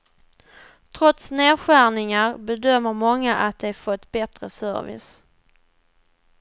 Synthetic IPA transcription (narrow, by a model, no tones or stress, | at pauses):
t̪ʰɾɔt̪sneːɾɧæɳɪŋaɾbɛd̪œmːəɾmɔŋːaʔat̪̚d̪ɛfɔt̪ːbɛt̪ɾə̰sœ̰ɾvɪ̰s